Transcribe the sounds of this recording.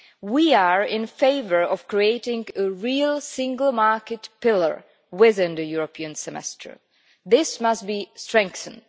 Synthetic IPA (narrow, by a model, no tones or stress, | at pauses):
wiaɹɪ̃nfeɪvə˞ɔv̥kɹieɪtɪ̃ŋɡəɹilˠsɪ̃ŋɡəlˠmɑɹkɨtpɪlˠə̰˞ | wɪðɪ̃nðɨjuɹɔpʰiə̃nsɛmɛ̰stʰə̰˞ | ðɪsmʌstbistɹ̥ɛ̃ŋkθə̃nd